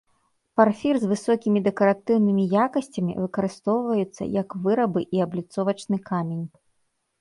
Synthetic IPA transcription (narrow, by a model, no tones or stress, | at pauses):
parfʲirzvɨsɔkʲimʲid̪ɛkɐɾat̪ɨwnɨmʲijakɐsʲt͡sʲɐmʲḭvɨkɐɾɨst̪ɔwvɐjut̪sːɐ̰jɐkvɨɾɐbɨʔiɐblʲit̪sɔvɐt͡ʂnɨkamʲenʲ